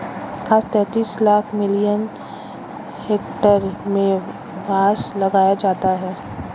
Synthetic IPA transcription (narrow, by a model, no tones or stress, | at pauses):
kʰaːst̪ɛ̃ːt̪iːslaːkʰmɪlijən | heːkʈəɾmẽ | bʱaːʃlɐɡaːjad͡ʒaːt̪aɦɛː